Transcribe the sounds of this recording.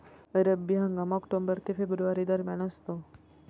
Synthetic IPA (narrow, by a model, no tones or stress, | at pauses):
əɾəbiɦə̃ŋɡamɔkʈombəɾt̪ʰifebɾuʋaɾid̪əɾmjanəst̪o